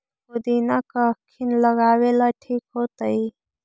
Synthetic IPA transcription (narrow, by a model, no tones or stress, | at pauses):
kod̪iːnakakʰːinləɡaːwelaʈʰiːkɦoːt̪əi